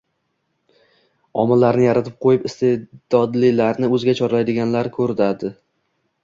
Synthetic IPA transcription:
ɒmɪlːaɾnɪjaɾat̪ʰɪp̚qʰojɪpɪst̪ʰed̪̥ɒd̪lɪlaɾnɪɵzɪɡʲat͡ʃʰɒɾlajd̪ɪɡʲanlaɾkʰɵɾɪd̪ad̪ɪ

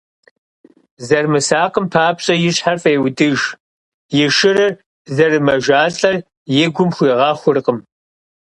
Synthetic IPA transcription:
zɐrmɨsaːqəmpʰaːpɕʼɐjɪɕħarfʼeːwdɨʒ | jɪʃɨrɨr | zɐrɨmɐʒaːɬʼɐr | jɪɡʷʊmxʷiːʁɑːxʷʊrqəm

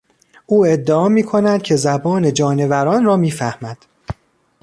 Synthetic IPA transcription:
ʔuːe̞d̪ːeɒːmiːkʰo̞næd̪̥̚cʰe̞zæbɒːne̞d͡ʒɒːne̞væɾɒːnɾɒːmiːfæhmæd̪̥

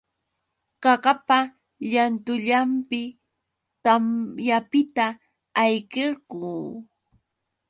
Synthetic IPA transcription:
ɢɑɢapa | ʎant̪ʊʎampɪ | t̪amjapɪt̪aː | jɢɪɾɢuː

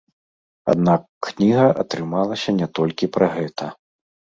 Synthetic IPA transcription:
a̰d̪nakːnʲiɣɐʔɐt̪ɾɨmalˠɐsʲɐnʲɛt̪ɔlʲkʲipɾɐɣɛt̪ʰɐ

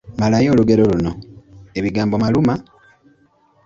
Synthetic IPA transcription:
malajo̞ːluɡe̞ɾo̞luno̞e̞βiɡaːmbo̞maluma

